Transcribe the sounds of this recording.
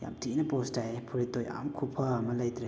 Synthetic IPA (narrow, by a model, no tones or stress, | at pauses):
ja̰mtʰinɐpostajpʰuɾit̪oja̰mkʰupʰɐmɐlɐjt̪ɾa